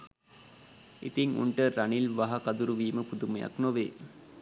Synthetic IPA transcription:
ʔḭt̪iŋṵɳʈəɾɐnilʋɐɦɐkɐd̪uɾuʋiːməpud̪umɐjɐ̰knoʋḛː

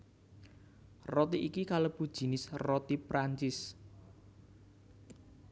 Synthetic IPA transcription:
rɔt̪iʔikikaləb̥ud̥ʒ̥i̤nɪsrɔt̪ipɾʔaɲt͡ʃɪs

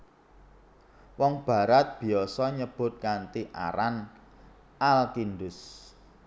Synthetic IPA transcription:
wɔŋb̥ä̤ɾat̪̚b̥i̤ɔsɔɲəb̥ʊ̤t̪̚kant̪iʔa̰ɾan | ʔalkindʊs

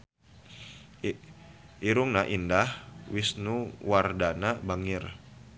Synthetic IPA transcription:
iɾʊŋnaʔindahwisnuwardanabaŋɪr

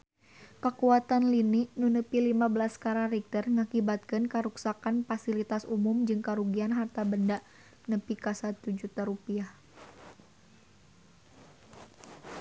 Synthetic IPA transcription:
kəkuat̪anliniʔnunəpilimabəlaskaɾarɛk̚t̪ərŋakibat̪̚kɨnkəɾuksakanfasilit̪asumumd͡ʒɨŋkaɾuɡianɦart̪abəndaʔ | nəpikasat̪ud͡ʒut̪aɾupiah

